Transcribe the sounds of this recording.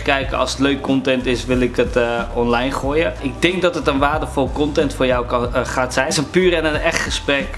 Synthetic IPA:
kɛjkəɑ̰lˠsətløːɥkːɔntɛntɪsʋɪlˠɪkətɔnlajnχoːjəɪk̚dɪŋk̚dɔtətənʋaːrdəfɔlˠkɔntɛntfoːrjawχaːtsɛjsənpyːɾɛnənɛχtχəsprɛk

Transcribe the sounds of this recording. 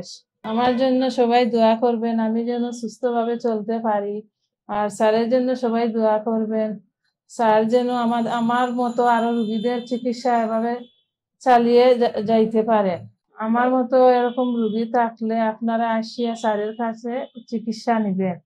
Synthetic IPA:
ʃ | amaɾd͡ʑonːoʃɔbajd̪oakoɾbenamid͡ʑɛnoʃust̪ʰobʱabet͡ɕolt̪epaɾi | aɾsaɾeɾd͡ʑonːoʃɔbajd̪oakoɾben | saɾd͡ʑɛnoamaamaɾmɔt̪oaɾoɾuɡid̪eɾt͡ɕikit̪ʃaebʱabe | t͡ɕalijed͡ʑajt̪epaɾe | amaɾmɔt̪oeɾɔkomɾuɡit̪ʰakleapnaɾaaʃijasaɾeɾkʰat͡ɕʰet͡ɕikit̪ʃaniben

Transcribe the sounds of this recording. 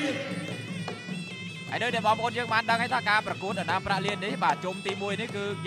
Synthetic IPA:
ha̰jnɨwɗaɛɓɑːŋpʰʔoːnjəːŋɓaːnɗəŋhaːjt̪ʰaːkaːprɑkuət̪̚anaːpraʔliənːihɓaːt͡ɕumt̪iːmuəjnihkɨː

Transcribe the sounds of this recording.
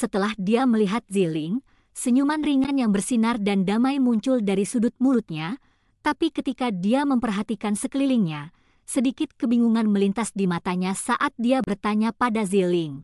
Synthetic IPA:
sət̪əlahdiaməliɦat̪̚zilɪŋ | səɲumanriŋanjaŋbərsinardandamajmuɲt͡ʃʊldaɾisudʊt̪̚mulʊt̪̚ɲa | t̪apikət̪ikadiaməmpərɦat̪ikansəkəlilɪŋɲa | sədikɪt̪̚kəbiŋuŋanməlint̪asdimat̪aɲasaʔat̪̚diabərt̪aɲapadazilɪŋ

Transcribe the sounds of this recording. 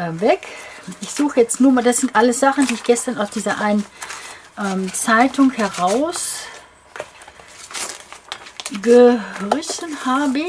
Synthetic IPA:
vɛk | ʔɪçz̥uːxəjɛt͡stnuːɐmaːldasz̥ɪntʔaləsz̥aχn̩diːɪçɡ̥ɛstɐnaʊsd̥iːzɐʔaɪnənʔɛmt͡saɪtʰʊŋhɛʁaʊs | ɡəʁɪçn̩haːbə

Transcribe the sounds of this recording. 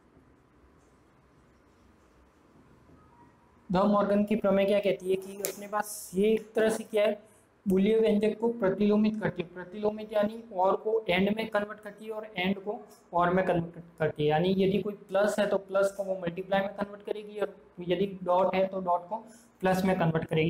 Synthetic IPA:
d̪ɐmɔːɾɡənkipɾɐmɛ̃kjakɛɦt̪iɦɛkiʊɐpnepaːsjeːk̚t̪ɐɾəɦsekjaɦɛ | bʊlieʋɛ̃ɲd͡ʒəkkopɾɐt̪iloːmɪt̪kɐɾt̪iɦɛpɾɐt̪iloːmɪt̪jaːniɔːɾkoʔɛ̃ːɳɖmẽkɐnʋəɾʈ̚kɐɾt̪iɦɛɔːɾɛ̃ːɳɖko | ɔːɾmẽkɐ̃nʋəʈkɐɾt̪iɦɛjaːnijɐd̪ʱikoːiplɐsɦɛt̪oplɐskoʋomɐlʈiplaːɪmẽkɐnʋəɾʈkɐɾeːɡiɔːɾjɐd̪iɖɔːʈɦɛt̪oɖɔːʈko | plɐsmẽkɐnʋəɾʈkɐɾeːɡi

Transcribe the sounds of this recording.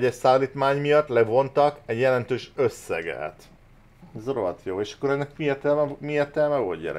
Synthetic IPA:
ɟɛʃsaːliːt̪maːɲmijɒt̪ːlɛvo̞nt̪ɒkɛɟjɛlɛnt̪øːʃøsːɛ̰ɡɛ̰t̪ | zoroɒt̪joːeːʃɒ̥kːoɾɛnːɛkmiert̪ɛlɛmiert̪ɛlmɛvoɟɛ̰ɾɛ̰

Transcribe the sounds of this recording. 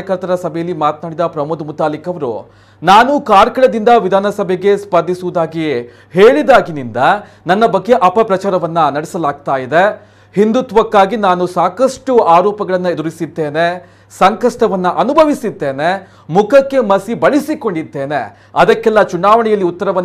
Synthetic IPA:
jɐkɐɾt̪ɐɾɐsɐbʱɛjɐlːimaːt̪̚naːɽid̪ɐpɾɐmud̪umut̪aːlikɐʋɐɾṵ | naːnukaːɾkɐɭɐd̪ind̪ɐʋid̪ʱaːnɐsɐbʱɛɡe̞spɐnd̪ʱisuʋud̪aːɡi | heːɭid̪aːɡinind̪ɐ | nɐnːɐbɐɡːe̞ʔɐpɐpɾɐt͡ʃaːɾɐʋɐnːɐnɐɽɛsɐlaːɡ̚t̪aːjid̪e | hind̪ut̪ʋɐkːaːɡinaːnusaːkɐʂʈuaːɾɔːpɐɡɐɭɐnːɐed̪uɾisid̪ːeːne | sɐŋkɐʂʈɐʋɐnːɐʔɐnubʱɐʋisid̪ːe̞ːne̞ | mukʰɐkːe̞mɐsibɐɭisiko̞ɳɖid̪ːe̞ːne | ɐd̪ɐkːɛlːɐt͡ʃunaːʋɐɳɛjɐlːiut̪ːɐɾɐʋɐnː

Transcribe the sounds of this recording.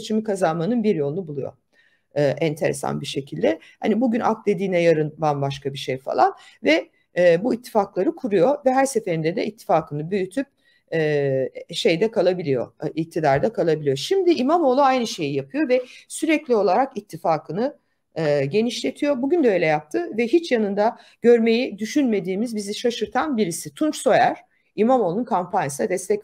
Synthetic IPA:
t͡ʃʰimikʰazanmanɯnbiɾjo̞lˠnubulˠujo̰ | ɯːʔɛnt̪ʰe̞ɾesa̰nbiʃe̞cʰilʲd̪ɛ | ha̰nibuɟynʔa̰k̚t̪d̪e̞d̪iːnɛjaɾɯnbanbaʃkabiʃejfa̰lˠanvɛː | buit̪ʰːi̥faklˠaɾɯkʰuɾujo̞vɛɦæɾse̞fe̞ɾind̪ɛd̪ɛit̪ʰːi̥faːkʰɯnɯbyjyt̪ʰyp̚ː | ʃe̞jd̪ɛkʰalˠabilʲijo̰ic̚t̪ʰid̪aɾd̪akʰalˠabilʲijo̞ʃimd̪iʔimamo̞lˠuajnɯʃe̞jijapʰɯjo̞vɛsyɾɛclʲio̞lˠaɾakit̪ʰːifaːkʰɯnɯ | ɟe̞niʃlʲe̞t̪ʰijo̞buɟynd̪ɛø̞jlʲɛjap̚t̪ʰɯvɛɦit͡ʃjanɯnd̪aɟ̥ø̞ɾme̞jid̪yʃynme̞d̪iːmizbiziʃaʃɯɾt̪ʰanbiɾisit̪ʰunt͡ʃso̞jæɾ̥ | imamo̞lˠunkʰampʰanjasad̪ɛst̪ɛc

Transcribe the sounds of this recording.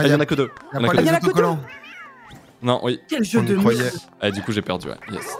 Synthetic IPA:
ajɑ̃nakəd̪øj̃najɑ̃nakək | nɔ̃wikʲɛlʒød̪əɛd̪ykuʒepɛʁd̪y̰wɛ̰jɛ̰s

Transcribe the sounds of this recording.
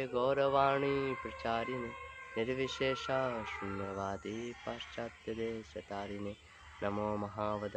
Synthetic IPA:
ɡoːɾɐʋaːɳipɾɐt͡ʃaːɾineniɾʋiʃeːʃaːʃunjɐʋaːd̪ipaːʃt͡ʃaːt̪jɐd̪eːʃɐt̪aːɾine | nɐmoːmɐɦaːʋɐd̪

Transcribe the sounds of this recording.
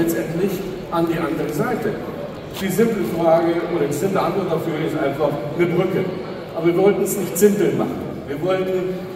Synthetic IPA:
ɛt͡stʔɛntlɪç | ʔandiːʔandəʁəzaɪtə | v̥iːzɪmpləfʁaːɡəʔoːɾɐɪz̥ɪmləʔantvɔɐtdafyːɐɪstʔaɪnfaχnəbʁʏkə | ʔabɐviːɐvɔltn̩ɛsnɪçtz̥ɪmpl̩ma̰χn̩ | viːɐvɔltn̩

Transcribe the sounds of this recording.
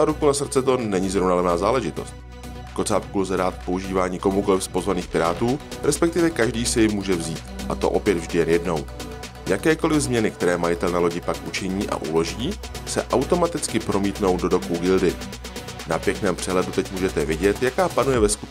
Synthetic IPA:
aɾukunas̬r̩t͡sɛt̪o̞nɛɲɪzɾovnalɛvnaːzaːlɛʒɪt̪o̞̰st̪̚ | ko̞t͡saːpkulzɛdaːt̪̚pouʒiːvaːɲiːko̞muko̞lɪfspo̞zvaniːxpɪɾaːt̪uːɾɛspɛk̚t̪ɪvɛkaʒdiːsɛjɪmuːʒɛvziːt̪ʔa̰t̪o̞̰ʔo̞pjɛd̪vʒdɪjɛnjɛdno̞w | jakɛːko̞lɪvzmɲɛnɪk̚t̪ɛɾɛːmajɪt̪ɛlnalo̞ɟɪpakʔut͡ʃɛɲiːʔa̰ʔṵlo̞ʒiː | sɛ̰ʔawt̪o̞mat̪ɪt͡skɪpɾo̞miːt̪no̞wdo̞do̞kuɡɪldɪ | napjɛknɛːmpr̥ɛɦlɛdut̪ɛcmuːʒɛt̪ɛvɪɟɛt̪jakaːpanujɛvɛskut

